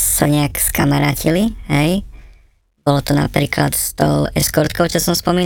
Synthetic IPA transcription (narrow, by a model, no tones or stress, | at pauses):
saɲɛakskamaɾaːciliɦɛj | bɔlɔt̪ɔna̰pɾiːkla̰t̪st̪ɔ̰ʊɛskɔɾt̪kɔʊt͡ʃɔsɔmspɔmiːn